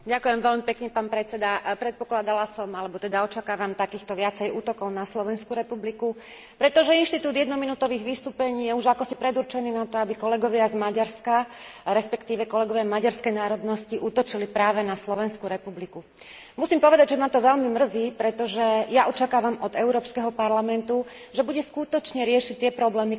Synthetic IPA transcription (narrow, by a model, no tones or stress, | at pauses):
ɟakujɛmʋɛlmipɛkɲɛpaːnpɾɛt͡sɛd̪apɾɛt̪̚pɔklad̪alasɔmalɛbɔt̪ɛd̪aɔt͡ʃakaːʋamt̪akiːxt̪ɔʋɪat͡sɛjuːt̪ɔkɔʊnaslɔʋɛnskuɾɛpubliku | pɾɛt̪ɔʒɛinʃt̪it̪uːd̪jɛd̪nɔminuːt̪ɔʋiːɣʋist̪uːpɛɲiːjɛuʒakɔsipɾɛd̪uɾt͡ʃɛniːnat̪ɔabikɔlɛɡɔʋɪazmaɟaɾskaɾɛspɛkt̪iːʋɛkɔlɛɡɔʋɪamaɟaɾskɛjnaːɾɔd̪nɔsciʔut̪ɔt͡ʃilipɾaːʋɛnaslɔʋɛnskuɾɛpubliku | musiːmpɔʋɛd̪aɟʒɛmat̪ɔʋɛlmimr̩ziːpɾɛt̪ɔʒɛjaʔɔt͡ʃakaːʋamɔd̪ɛʊɾɔːpskɛɦɔpaɾlamɛnt̪u | ʒɛbuɟɛskut̪ɔt͡ʃɲɛɾɪɛʃict̪ɪɛpɾɔblɛːmi